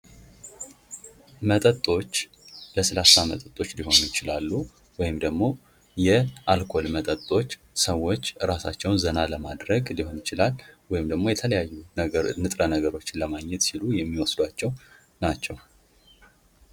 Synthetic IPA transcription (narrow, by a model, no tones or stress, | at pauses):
mət̪ʼət̪ʼːo̞t͡ʃː | ləsəlasamət̪ʼət̪ʼo̞t͡ʃːliho̞njɪt͡ʃɪlalːu | wɔjɪmd̪əɡmo̞ | jɛʔalkʰo̞lmət̪ʼət̪ʼːo̞t͡ʃː | səwːo̞t͡ʃːɾasa̰t͡ʃːɛwnzənaləmad̪ɾəɡliho̞njɪt͡ʃɪlalwɔjɪmd̪əɡmojɛt̪ʰələjajːunɨt̪ʼɾənəɡəɾo̞t͡ʃːɪnləmaɡɲːɛt̪silujɛmːiwɔsd̪wat͡ʃːɛw | nat͡ʃːɛw